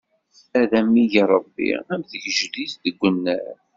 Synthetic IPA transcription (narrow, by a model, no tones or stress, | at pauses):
æðæmːijiɾˤəbːḭæmðəçʒlizðəɡʷːənːəɾ